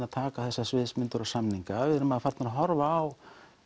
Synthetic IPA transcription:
aðt̪ʰaːkaθɛsːasvɪːðsmʏnt̪ʏɾɔsamniŋkavɪðɪɾʏmaðafaɾt̪naɾaɦɔɾvaːw

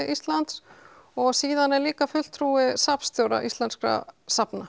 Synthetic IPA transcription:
ʔist̪lant̪s | ɔɣsiːðanːɛɾliːkafʏl̥t̪ʰɾuːɪsapst̪jowɾa̰ʔḭst̪lanskɾa̰sapna

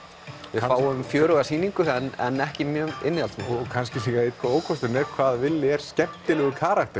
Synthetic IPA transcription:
vɪ̥faːwʏʏmfjœːɾɔɣasiːniŋkʏɛnːɛ̰nːɛhcɪmjœːmɪnːɪalt̪mkʰanscɪliːɣaeːt̪kʰaoːwkʰvɔst̪ʏɾnɛɾ̥kʰvaːðvɪlːɪɛɾ̥scɛm̥t̪ɪlɛɣʏkʰaːɾakt̪ɛ

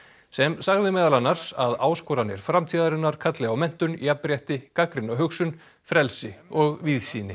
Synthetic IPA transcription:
sɛmsaɣðɪmɛːðalanːaɾ̥saðaːwskɔːɾanːɪɾ̥fɾamt̪ʰiːðaɾɪnːaɾ̥kʰat̪lɪawmɛn̥t̪ʏniapɾjɛht̪ɪkakɾɪnaɦʏksʏn | fɾɛlsɪɔɣviðsiːnɪ

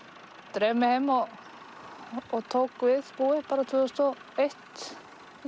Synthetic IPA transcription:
t̪ɾɛːmɪhɪmːɔ | ɣt̪ʰoːwkvɪðpuːɪpaːɾat̪ʰvʏːst̪ɔ | ejht̪

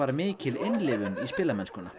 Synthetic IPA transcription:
aɾmɪːcʰɪlɪnlɪːvʏnispɪːlamɛnskʏna

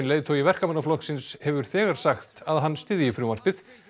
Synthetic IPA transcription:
nleːðt̪ʰowivɛr̥kamanːaflɔhksɪnshɛvʏɾ̥θɛːɣaɾ̥saxt̪aðɦanːst̪ɪːðɪifɾumar̥pɪθ

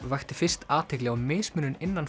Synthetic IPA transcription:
vajxt̪ɪfɪr̥st̪aːt̪ʰɪklɛɣamɪːsmʏnʏnɪnːan

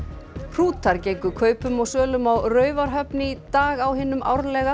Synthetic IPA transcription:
r̥uːt̪ʰaɾcejkʏkʰœːɥpʏmɔɣsœːlʏmawrœːɥvaɾ̥ɦœpnit̪aːɣawɦɪːnːʏmʔa̰wɾlɛɣa

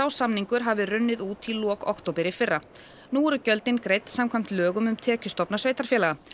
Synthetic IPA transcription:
aːwsamniŋkʏɾɦavɪrʏnːɪðuːt̪ʰilɔːkɔ̰hkt̪owpɪɾɪfɪrːa | nuːɾʏcœlt̪ɪnkɾejt̪samkʰvam̥t̪lœːɣʏmʏmt̪ʰɛːcʏst̪ɔpnasveːjt̪aɾ̥fjɛːlaɣa

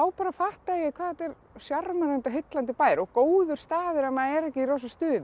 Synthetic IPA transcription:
awpaːɾafaht̪aɛjɪkʰvaːɛt̪ɛɾ | sjarmaɾɛnt̪aɦɪt̪lant̪ɪpaːjɾɔɣkoːwðʏɾ̥st̪aːðɪɾɛnmaɛɾɛhcɪiɾowsast̪ʏː

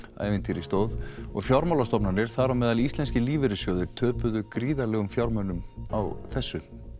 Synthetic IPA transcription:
a̰ːjvɪnt̪iɾist̪oːwðɔɣfjawɾmawlast̪ɔpnanɪɾ̥θaɾamɛːðalist̪lɛnscɪliːvɪɾɪsjɔːðɪt̪ʰœːpʏðʏkɾiːðaɾlɛɣʏmfjawɾmœnːʏma̰wθɛsːʏ

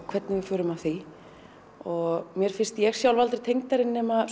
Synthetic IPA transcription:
kʰv̥ɛt̪nɪvɪɾfʏːɾʏmavθi | ɔɣɣmjɛɾ̥fɪn̥st̪ijɛɣ̥sjawlvalt̪ɾɪ̥t̪ʰejŋkt̪aɾɪnːɛma

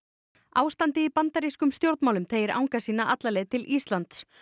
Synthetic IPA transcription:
aːwst̪ant̪ɪipant̪aɾiskʏmst̪jowɾt̪mawlʏmt̪ʰeːjɪɾa̰wŋkasiːnaʔat̪lalɛðt̪ʰɪlʔist̪lant̪s

